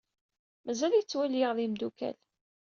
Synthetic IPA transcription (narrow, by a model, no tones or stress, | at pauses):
mæzælit͡sːwæljəʁðimd̪ukæ̰l